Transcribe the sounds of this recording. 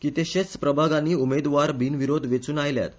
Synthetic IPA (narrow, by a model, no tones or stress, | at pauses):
kit̪eɕet͡spɾəbʱaɡãniːumed̪ʋaɾbʱinʋiɾod̪ʱʋet͡suːnajlja̰t̪